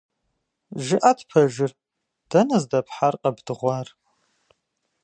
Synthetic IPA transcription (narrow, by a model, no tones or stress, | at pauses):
ʒɪʔatʰpʰɐʒɪr | d̥ɐnɐzdɐpʰħarqʼɐbdɨʁʷɑːr